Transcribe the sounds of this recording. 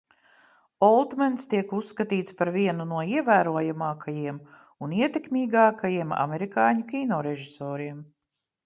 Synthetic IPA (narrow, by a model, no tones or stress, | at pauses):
ɔlˠt̪manst̪iɛkusːkat̪iːt̪spaɾviɛnunuɔiɛvæːɾuɔjamaːkʰajiɛm | uniɛt̪ekmʲiːɡɑːkʰajiɛma̰mɛɾikɑːɲukʲinɔːɾɛʒisɔːɾiɛm